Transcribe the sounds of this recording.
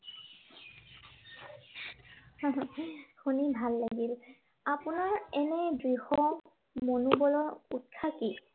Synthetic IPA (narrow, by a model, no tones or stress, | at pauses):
xunibʱalːaɡil | apunaɹɛnɛdɹihɔ | monubɔlɔɹut̚kʰaki